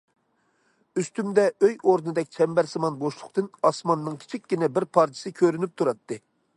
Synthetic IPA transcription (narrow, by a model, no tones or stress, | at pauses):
yst̪ymd̪ɛøjoɾnɨd̪ɛk̚ʲt͡ʃʰɛmbɛɾsɨmɑnboʃlˠʊqt̪ɨnɑsmɑnːɨŋkʲʰi̥t͡ʃʰikʲːinɛbɪɾpʰɑɾt͡ʃ̪ʰi̥sɨkʲʰøɾynyp̚t̪ʰuɾɑt̪ʰːɨ